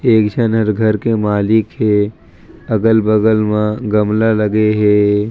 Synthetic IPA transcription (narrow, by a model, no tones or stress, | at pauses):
eːkd͡ʒənɦɐɾɡʱɐɾkemaːlɪkɦe | ɐɡəlbəɡəlmãɡɐmlalɐɡeɦeː